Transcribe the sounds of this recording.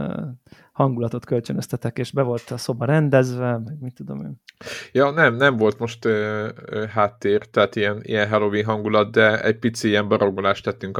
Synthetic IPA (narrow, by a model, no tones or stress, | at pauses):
hɒŋɡulɒt̪o̞t̪kølt͡ʃønøst̪ɛt̪ːɛkeːʃbɛvo̞lt̪ɒso̞bɒɾɛnd̪ɛzvɛmɛɡmit̪ːud̪o̞̰mḛːnjɒːnɛmnɛɱvo̞lt̪mo̞ʃt̪ø | ɦaːt̪ːeːrt̪ɛːt̪ijɛnḭjɛnɦɛlovinɦɒŋɡulɒt̪d̪ɛɛ̰ɟ̚pit̪siijɛmbɒɾoɡolaːʃt̪t̪ɛt̪ːyŋk